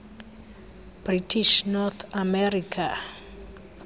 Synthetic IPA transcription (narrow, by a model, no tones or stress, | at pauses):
b̥ritʰiʃnɔt̪ʰamɛrikʰa